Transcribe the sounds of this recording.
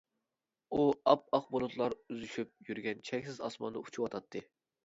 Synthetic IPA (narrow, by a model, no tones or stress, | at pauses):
uɑp̚ɑq̚bolˠut̪ʰlˠɑɾyzyʃyp̚jyɾɡʲɛnt͡ʃʰɛkʲsɪzɑ̰smɑ̰nd̪ɑu̥t͡ʃʰuwɑt̪ʰɑt̪ʰːɨ